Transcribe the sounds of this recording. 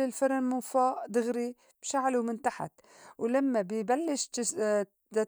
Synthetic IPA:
ɪlfɪɾˤanmɪnfaːʔd̪ɪɣɾi | b̥ʃaʕlumɪnt̪aħa̰t̪ | wlamːabɪbalːɪʃ

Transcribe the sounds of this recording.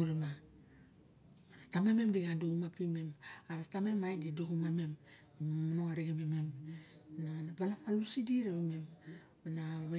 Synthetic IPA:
uɾema | aɾatamememdiɡadoumapimemaɾatamemajdidohumame̞m | amanoŋaɾiɡememem | nanabalamalusidiɾeemem | anaβa

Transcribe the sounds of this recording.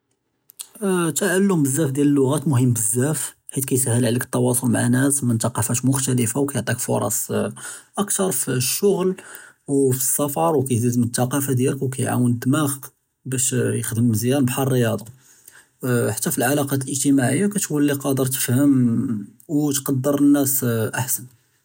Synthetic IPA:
t̪aʕəlːʊmbəzːæfd̪jæləlːʊɣæt̪mʊhəmːbəzːæf | ħit̪kæjshːəlʕləkət̪ˤːɑwɑsˤolmaʕanæsmænt̪ɑqːɑfæʃmʊxt̪æləfawkæjoʕt̪ˤikfo̰ɾˤɑ̰sˤ | ʔəkt̪ɑɾˤfiʃːʊɣl | wfisːɑfɑɾˤwkæjzizmət̪ːɑqɑfad̪jæləkwkæjʕa̰wənd̪ːmæɣ | bæʃjəxd̪əməzjæɾbħɑrˤrːəjɑd̪ˤɑ | ħḁt̪ːæfilʕalɑqɑt̪lʔəʒt̪imaʕəjːakæt̪ufəlːiqɑd̪əɾt̪ə̥fhəm | wt̪qɑd̪ːəɾnːæsʔaħsən

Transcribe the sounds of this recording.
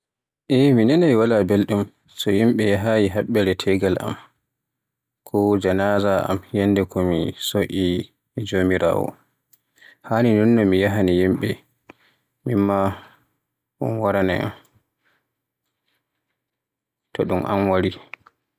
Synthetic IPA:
ʔɛminɛnajwalabelɗum | sɔjimɓɛjaɦajiɦaɓːɛɾɛtʰɛɡalʔa̰m | kʰɔd͡ʒanazaʔa̰mjɛnːdɛkɔmisoʔi | d͡ʒomiɾa̰ːwɔ̰ | haninɔnːɔmijaɦanijimɓɛ | mimːa | ʔṵnwaɾanɛ̰a̰m | tɔɗumʔa̰mwaɾi

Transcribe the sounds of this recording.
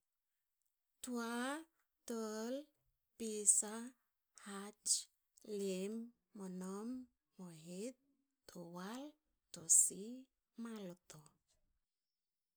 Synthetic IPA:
tua | təl | pisa | hat͡ʃ | lemː | ɔnɔmː | ɔɦit̪ː | owal | tɔsi | malɔt̪ɔ

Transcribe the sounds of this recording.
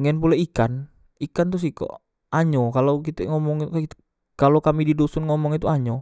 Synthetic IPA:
ŋɛnpulɛikan | ikant̪ʊs̬ikɔ̰ | ʔaɲɔkalokit̪ɛŋɔmɔŋik̪ | kalokamididosɔnŋɔmɔŋit̪uaɲɔ

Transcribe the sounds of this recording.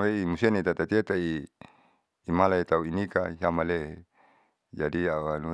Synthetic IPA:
weimusenit̪at̪at̪iet̪ai | malait̪auinikaɦamale | d͡ʒadiaanu

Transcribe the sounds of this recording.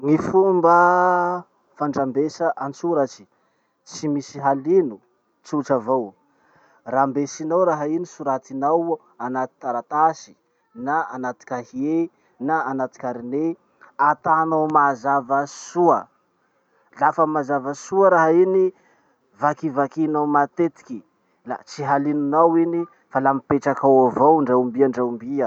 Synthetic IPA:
ŋifumbə | faɳɖ͡ʐambesəʔant͡suɾat͡ʃi̥ | t͡simisiɦalinu | t͡suʈ͡ʂavow | rambesinawɾaɦainisuɾat̪inaw | anat̪i̥t̪aɾat̪asi̥ | naanat̪i̥kʲahie | naːnat̪i̥kʲaɾine | at̪anawmazavəsuə | lafəmazavəsuəɾaɦaini | vakivakinawmat̪et̪i̥ki | la̰t͡siɦalinunawini | falamipeʈ͡ʂakawavowɳɖ͡ʐambiaɳɖ͡ʐawmbiə

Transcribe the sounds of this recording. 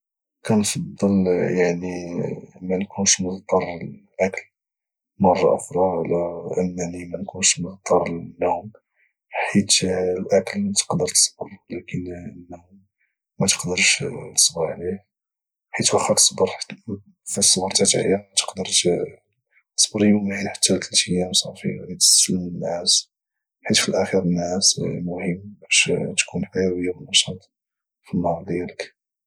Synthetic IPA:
kænfɑd̪ˤːəljaʕni | mænkʰunʃməɣt̪ˤɑɾˤʔækəl | mɑrˤːɑ̰ʔʊxɾˤɑlæʔənːnimænkunʃməɣt̪ˤɑɾˤnːum | ħit̪lʔækəlt̪ə̥qd̪əɾt̪ə̥sˤbəɾˤlækənənːu | mæt̪ə̥qd̪əɾʃnəsˤbəɾʕlih | ħit̪wæxːɑɾt̪ə̥sˤbəɾˤ | fisˤːbəɾˤt̪æt̪ʕjænmæt̪ə̥qd̪əɾˤt̪ | t̪ə̥sˤbəɾjuminħḁt̪ːælt̪lt̪ʰijæmsˤɑfḭæd̪it̪ə̥ssəlmənːæs | ħit̪filʔæxiɾənːæsmʊhəmːbæʃt̪kunħajæwəjːabənːɑʃɑt̪ˤ | finːhɑɾˤd̪jælək

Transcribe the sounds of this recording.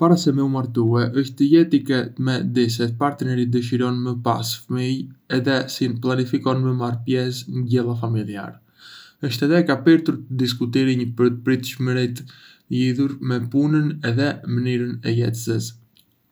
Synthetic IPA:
paɾasɛmɛumaɾt̪uɛʔəʃt̪əjɛt̪ikɛt̪mɛd̪is̬ɛt̪̚paɾt̪ənɛɾid̪əʃ̬iɾɔnməpa̰sfəmijɛðɛsinəplˠanifikɔnməmaɾpjɛsnɟɛlˠafamilˠia̰ɾɛ | əʃt̪ɛðɛkapɛɾt̪uɾt̪əd̪is̬kut̪iɾiɲəpəɾt̪əpɾit̪ʃməɾit̪ | liðuɾmɛpunənɛðɛmənyɾənɛ̰jɛ̰t̪səs

